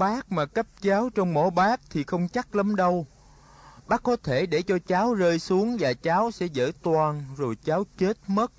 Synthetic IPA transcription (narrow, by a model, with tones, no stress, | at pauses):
ɓaː˦˥k̚maː˨˩kə˦˥p̚t͡ɕaː˨˦wt͡ɕɔ˧wŋ͡mmo̰˧˦ɓaː˦˥k̚t̪ʰi˨˩xə˧wŋ͡mt͡ɕa˦˥k̚lə˨˦mɗə˧w | ɓaː˦˥kːɔ˨˦t̪ʰe˧˩ɗe˧˩t͡ɕɔ˧t͡ɕaː˨˦wzəː˧jsu˨˦əŋvaː˨˩t͡ɕaː˨˦wsɛ̰˧˥zə̰ː˧˥˩t̪waː˨˩nzo˨˩jt͡ɕaː˨˦wt͡ɕe˦˥t̚mə˦˥t̚